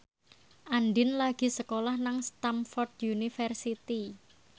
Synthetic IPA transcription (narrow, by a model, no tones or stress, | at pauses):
ʔanɖɪnlaɡ̥i̤səkolahnaŋst̪amfɔrd̪junifərsit̪i